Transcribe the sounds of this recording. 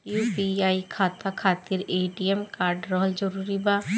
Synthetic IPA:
juːpiaːikʰaːt̪akʰaːt̪iɾeːʈiemkaːɾɖɾɔɦld͡ʒəɾuːɾibaː

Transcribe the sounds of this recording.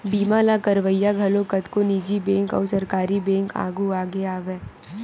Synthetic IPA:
biːmalakɐɾʋəjːaɡʱɐlõkɐt̪koniːd͡ʒibɛ̃ːŋkɔ̰ːɾsɐɾkaːɾibɛ̃ːŋka̰ːɡuaːɡeaːʋeː

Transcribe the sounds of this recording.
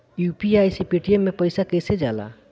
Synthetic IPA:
jupiajsipeʈiemːepəjsakəjsed͡ʒa̰la̰

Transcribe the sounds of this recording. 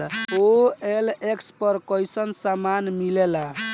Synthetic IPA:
oelekspəɾkɔjsənsamanmilela

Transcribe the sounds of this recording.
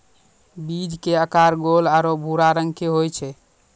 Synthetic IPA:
bid͡ʒkeəkaɾɡolaɾobʱuɾaɾəŋɡkeɦojt͡ʃʰɛ

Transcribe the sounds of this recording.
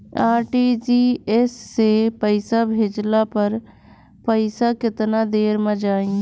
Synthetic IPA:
aːɾʈid͡ʒiːɛsːepəɪsabʱeːd͡ʒlapəɾ | pəɪsakɪt̪nad̪eːɾmə̃d͡ʒaːĩ

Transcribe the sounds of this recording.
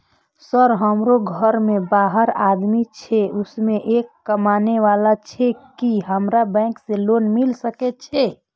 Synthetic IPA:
səɾɦəmɾoɡʱəɾmebaɦəɾad̪mit͡ʃʰeʊsmeʔekːəmaneʋalat͡ʃʰɛekiɦəmɾabɛ̃kselonmilsəkɛt͡ʃʰɛ

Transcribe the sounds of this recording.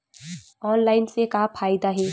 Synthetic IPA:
ɔːnlaːɪnsekapʰaːɪd̪aɦɛː

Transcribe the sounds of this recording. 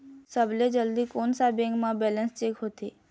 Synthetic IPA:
səbʱled͡ʒəld̪ikoːnsabẽːŋɡmãbɛːlənst͡ʃeːkɦoːt̪eː

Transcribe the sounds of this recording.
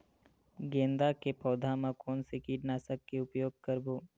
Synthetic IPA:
ɡẽːnd̪akepɔːd̪ʱamãkɔːnsekiːʈnaːsəkːeʊpjoːɡ̚kəɾboː

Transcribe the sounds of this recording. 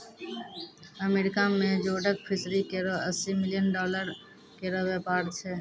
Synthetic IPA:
əmeːɾɪkamẽd͡ʒoːɖəkpʰɪsɾikeɾoəsːimɪlɪjənɖɔːləɾ | keɾoʋeːpaːɾt͡ʃʰeː

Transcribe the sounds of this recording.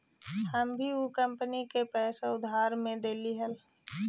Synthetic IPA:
həmbʱiukəmpənikepɛːseʊd̪ʱaːɾmẽd̪eːliɦəl

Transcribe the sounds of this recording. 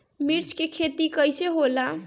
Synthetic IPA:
miɾt͡ʃʰkekʰet̪ikəjseɦola

